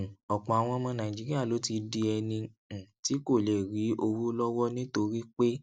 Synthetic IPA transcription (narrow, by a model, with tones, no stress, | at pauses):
ɔ˨k͡pɔ̃˨a˨w̃ɔ̃˧mɔ̃˧nã˨d͡ʒi˦ɾi˦a˦˨lo˨˦ti˧di˧ɛ˧nĩ˧˨ | ti˨˦ko˦˨le˨ɾi˨˦ʔo˧wu˦lɔ˦wɔ˦nĩ˦to˧ɾi˦k͡pe˦